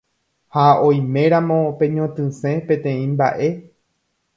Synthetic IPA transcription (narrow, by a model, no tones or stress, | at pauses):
haõ̞jmẽ̞ɾãmõ̞pẽ̞ɲõt̪ɨ̃sẽ̞pẽt̪ẽ̞ĩmba̰ʔe̞